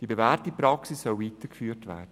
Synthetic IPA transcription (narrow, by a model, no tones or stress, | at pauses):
d̥iːbevɛːrtipɾɑksisːœlviːtəkfyːtvɛ̰ːd̥ə